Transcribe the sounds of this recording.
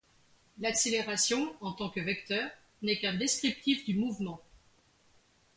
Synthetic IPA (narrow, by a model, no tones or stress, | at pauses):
lakseleʁasjɔ̃ɑ̃t̪ɑ̃kəvɛkt̪œːʁ | nɛkɛ̃d̪eskχip̚t̪ifd̪ymuvmɑ̃